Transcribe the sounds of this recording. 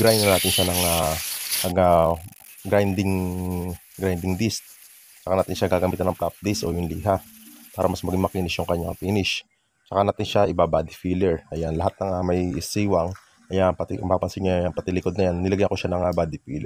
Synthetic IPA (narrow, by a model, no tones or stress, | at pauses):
ɡɾajnd̪ɐnaːt̪ɪnʃanɐŋaɐɡa | ɡɾajnd̪ɪŋ | ɡɾajnd̪ɪŋd̪ist̪̚ | t͡ʃɐkanaːt̪ɪnʃaɡaːɡɐmiːt̪ɐnʔɐŋplap̚d̪ist̪o̰jʊnliːɦa | paːɾɐmɐsmɐɡiŋmɐkiːnɪʃjʊŋkɐɲːaŋpiːnɪʃ | t͡ʃɐkanaːt̪ɪnʃaʔɪbabaːd̪ɪfilɛɹʔɐjanlɐɦat̪̚nɐŋamɐjɪsiːwɐŋ | ʔɐjapɐt̪ɪʔɐpaːpɐnsɪɡɲaɐŋpɐt̪ɪlɪkod̪nɐjanːɪlɐɡajɐkoʃanɐŋabaːd̪ɪfiːlɛ